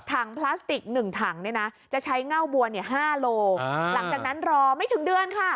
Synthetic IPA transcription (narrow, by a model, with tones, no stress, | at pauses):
t̪ʰaː˩˦ŋpʰlaː˦˥st̪i˨˩k̚nɯ˨˩ŋt̪ʰa˩˦ŋni˥˩na˦˥t͡ɕa˨˩t͡ɕʰa˦˥jŋa˥˩wbu˧əni˥˩əɦaː˥˩loː˧la˩˦ŋt͡ɕa˨˩k̚na˦˥nɾɔː˧ma˥˩jt̪ʰɯ˩˦ŋdɯ˧ənkʰa˥˩